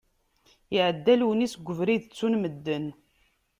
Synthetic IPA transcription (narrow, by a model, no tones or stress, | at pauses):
əʕəd̪ːælwənisɡʷəvɾiðt͡sːunməd̪ːən